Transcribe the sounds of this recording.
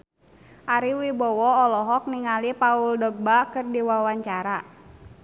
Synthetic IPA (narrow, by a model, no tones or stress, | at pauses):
ʔaɾiwibɔwɔɔlɔɦɔk̚niŋalipauldɔɡ̚bakɨrdiwawaɲt͡ʃaɾa